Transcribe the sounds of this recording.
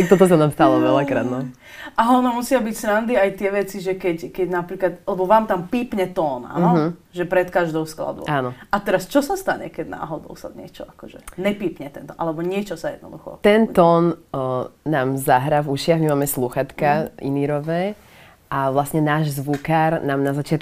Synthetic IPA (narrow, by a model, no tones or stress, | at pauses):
ak̚t̪ɔt̪ɔs̬anaːmst̪alɔʋɛlakkɾa̰ːd̪nɔ | aɦɔnamusɪabicsɾand̪iajt̪ɪɛʋɛt͡siʒɛkɛckɛɟnapɾiːklat̪alɛbɔʋaːmt̪ampiːpɲɛt̪ɔːna̰ɔɦ̩ | ʒɛpɾɛt̪kaʒd̪ɔʊskla̰d̪ɔ̰aːnɔat̪ɛɾast͡ʃɔsast̪aɲɛ̰kɛɟna̰ːɦɔd̪ɔ̰ʊsa̰ɲɛt͡ʃɔakɔʒɛ̰ɲɛpiːpɲɛt̪ɛnt̪ɔ̰a̰lɛbɔɲɪɛt͡ʃɔsajɛ̰d̪nɔ̰d̪uxɔ̰t̪ɛnt̪ɔːn | naːmzaɦɾavuʃɪaɣmimaːmɛsluxat̪kaḭniɾɔʋɛː | ʔaʋlasɲɛnaːʒzʋukaɾnaːmnazat͡ʃɪat̪k